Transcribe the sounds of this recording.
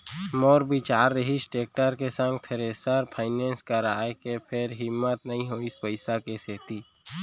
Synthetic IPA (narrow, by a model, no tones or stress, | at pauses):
moːɾbɪt͡ʃaːɾːəɦisʈeːk̚ʈəɾkesə̃ŋɡ̚t̪ʰəɾesəɾpʰaːɪneːnskəɾaːekepʰɪɾɦɪmːət̪nəɦĩɦoɪspəɪsakeseːt̪iː